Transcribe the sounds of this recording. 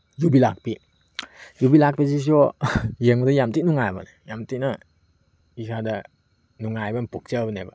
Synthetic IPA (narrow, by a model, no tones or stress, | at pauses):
jubilak̚pi | jubilak̚pis̬is̬iɔjəŋbədajamtiʔnuŋajba̰nɛjamtina | ikʰada | nuŋajbanpuk̚t͡ʃəbənɛba̰